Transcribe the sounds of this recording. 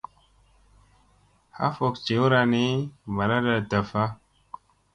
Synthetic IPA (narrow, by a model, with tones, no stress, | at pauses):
ha̰˦fo˨kt͡ʃe˨˦wu˦ɾa˧ni˦ma˨ɾa˦da˨ta˨fa˦